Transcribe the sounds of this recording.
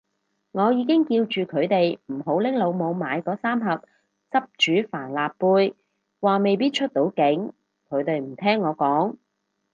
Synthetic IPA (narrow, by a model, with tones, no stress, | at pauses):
ŋɔː˨˧jiː˨˧k̬ɪ˥ŋkiː˧wt͡ʃyː˨kʰɵ˨˧ɥt̪e˨jm̩˨˩ɦo˨˥wlɪ˥ŋlo˨˧wmo˨˧wmaː˨˧jkɔː˨˥saː˥mɦɐ˨p̚ | t͡sɐ˥p̚t͡ʃyː˨˥faː˨˩nlaː˨pːuː˧j | waː˨˩me˨jpiː˥t̚t͡ʃʰɵ˥t̚t̪o˨˥wkɪ˨˥ŋ | kʰɵ˨˧ɥt̪e˨jm̩˨˩t̪ʰɛː˥ŋːɔː˨˧kɔː˨˥ŋ